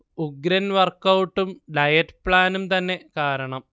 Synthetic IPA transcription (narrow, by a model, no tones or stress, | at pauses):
uɡɾɐnʋɐrkɐwʈːumɖɐjɐtpɭaːnumt̪ɐnːe̞kaːɾɐɳɐm